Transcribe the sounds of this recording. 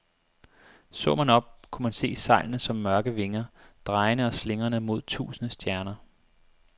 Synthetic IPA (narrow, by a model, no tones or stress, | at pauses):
sɔ̰ːmænɒ̽b̥̚kʰumænse̝̰ːsɑ̈ɪlnəsɒ̽mːɶɐɡ̥əʋe̝ŋɐd̥ʁɑ̈ɪnəɒ̽sle̝ŋɐnəmo̝ð̞̰ˠt͡sʰṵːsənəsd̥jæɐnɐ